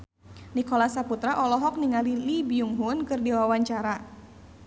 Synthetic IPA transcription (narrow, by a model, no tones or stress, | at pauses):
nikɔlasaput̪ɾaʔɔlɔɦɔk̚niŋalilibiuŋɦunkɨrdiwawaɲt͡ʃaɾa